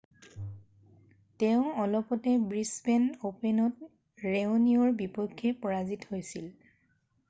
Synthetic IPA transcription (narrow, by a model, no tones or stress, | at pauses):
teʊ̃ɔlɔpɔtɛbɹisbɛnopenɔt | ɹeʊniɔɹbipɔkʰːɛpɔɹazithojsil